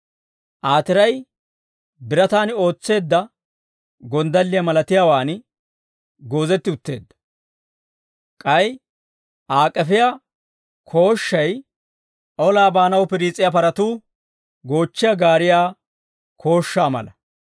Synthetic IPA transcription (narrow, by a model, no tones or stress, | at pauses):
ʔaːt̪ɪɾɐj | bɪɾɐt̪aːno̞ːt͡sːe̞ːd̪ːɐ | ɡɔnd̪ɐlːɪjɐmɐlɐt̪ɪjaːwaːn | ɡo̞ːzɛt̪ːɪʊt̪ːe̞ːd̪ːɐ̥ | kʼɐj | ʔaːkʼːɛfɪja | kʰo̞ːʃːɐj | ʔɔlaːbaːnɐwpɪɾiːt͡sʼːɪjapɐɾɐt̪uː | ɡo̞ːt͡ʃːɪjɐɡaːɾɪjaː | kʰo̞ːʃːaːmɐ̰lɐ